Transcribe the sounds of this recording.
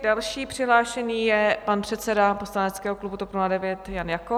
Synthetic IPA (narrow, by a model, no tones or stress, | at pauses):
dalʃiːpr̥ɪɦlaːʃɛɲiːjɛpanpr̥ɛt̪sɛdapo̞slanɛt̪t͡skɛːɦoklubut̪opnuladɛvjɛt̪janjako